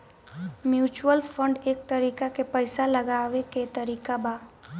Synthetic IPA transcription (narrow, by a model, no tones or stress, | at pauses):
mjuːt͡ʃuwəlpʰə̃ɳɖeːk̚t̪əɾiːkakepəɪsaləɡaːʋeket̪əɾiːkabaː